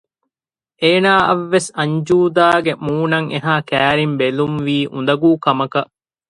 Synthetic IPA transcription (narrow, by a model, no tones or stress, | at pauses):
ʔeːnaːʔɐʋːesɐɲd͡ʒuːd̪aːɡemuːnɐŋeɦaːkæːɾimbelumʋiːʔund̪ɐɡuːkɐmɐkɐʔ